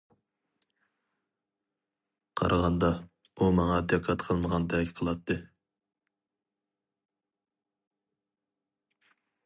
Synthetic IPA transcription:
qʰɑ̰ɾʔɑʁɑnd̪ɑ | umɑŋɑd̪æqʰːɑt̪qʰəlˠməʁɑnd̪ɛkʲʰqʰəlˠɑt̪ʰːɨ

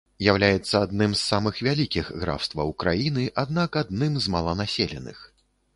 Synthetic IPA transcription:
jawlʲajɛt̪sːɐad̪nɨmsːamɨxvʲalʲikʲixɣɾa̰wst̪vɐ̰wkɾajinɨʔad̪nakad̪̚nɨmzmɐlˠɐnasʲelʲɛ̰nɨ̰x

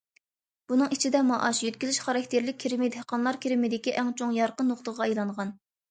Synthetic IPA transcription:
b̥unɨŋit͡ʃʰid̪ɛmɑʔɑʃjøt̪̚kʲizyʃχɑɾɑk̚ʲt̪ʰeɾlɪk̚ʲʰːeɾɪmɪd̪hqɑnlˠɑɾkʲʰeɾɪmɪd̪ɪkʲiʔɛŋt͡ʃʰoŋjɑɾqənoχt̪əʁɑejlˠɑɴʁɑn

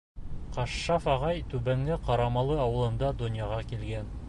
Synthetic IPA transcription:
qɑʃːɑfɑʁɑjt̪ʉβæŋɡɘqɑɾɑmɑlˠɤɑwɤ̆lˠɤ̆nd̪ɑd̪ŏnjɑʁɑkilɡæn

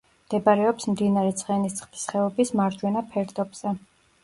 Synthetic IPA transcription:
md̪̥ɛbaɾɛɔpsmd̪inaɾɛt̪sʼχɛnist̪sʰχd̪i̥sχɛɔbismaɾd͡ʒwɛnapʰɛɾd̪ɔbz̥ɛ

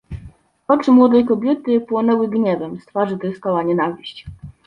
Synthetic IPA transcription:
ɔt͡ʂɘmwɔd̪ɛjkɔbʲjɛt̪ɘpwɔnɛwɘɡɲɛvɛmst̪faʐɘt̪ɛst̪ɔwaɲɛnavʲiɕt͡ɕ

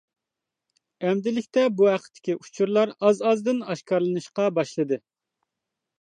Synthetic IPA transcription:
ɛmd̪ɪlɪkʲt̪ɛbuɦæqʰə̥t̪ʰːɪ̥kʲiʔu̥t͡ʃʰuɾlˠɑɾɑzɑzd̪ɨnɑʃkʰɑɾlˠɨnɨʃqɑbɑʃlˠɨd̪ɨ

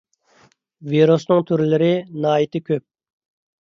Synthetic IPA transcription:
viɾusnɨŋt̪ʰyɾlɪɾɪnɑːit̪ʰɪkʲʰøp̚

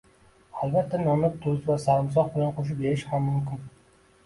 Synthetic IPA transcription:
albat̪ʰːanɒmɪp̚t̪ʰʊzvasaɾɪms̬ɒqbɪlanqʰoʃ̬ɪpeɾɪʃhamːʊmkʲɪn

